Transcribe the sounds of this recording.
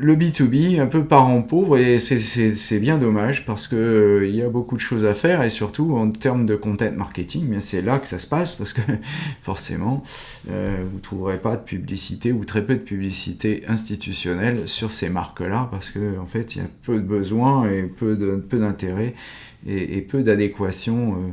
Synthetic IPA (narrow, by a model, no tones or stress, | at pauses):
ləbit̪ubiɛ̃pøpaʁɑ̃povʁesɛsɛsɛbjɛ̃d̪ɔmaʒpaʁsə̥kəiljabokud̪əʃozafɛʁesyʁt̪uɑ̃t̪ɛʁmd̪əkɔ̃t̪ɛ̃t̪maʁkʲet̪iŋbjɛ̃sɛlakə̥sasə̥paspaʁsə̥kəfɔʁsḛmɑ̃ | ø̰vut̪χuvʁepad̪əpʰyblisit̪eut̪χɛpød̪əpyblisit̪eʔɛ̃st̪it̪ysjɔnɛlsyʁsemaʁklapaʁsə̥kəɑ̃fɛt̪ḭlja̰pød̪əbəzwɛ̃epød̪əpød̪ɛ̃t̪eʁɛ | eḛpʰød̪ad̪ekwasjɔ̃ø